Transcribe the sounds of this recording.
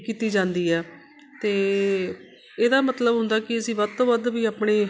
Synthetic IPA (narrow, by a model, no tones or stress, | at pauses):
kiːt̪iːd͡ʒãːnd̪iːɛː | t̪eː | eːd̪aːmət̪ləbɦʊ̃nd̪aːkɪəsĩːʋəd̪t̪õːʋəd̪ʋiːaːpɳeː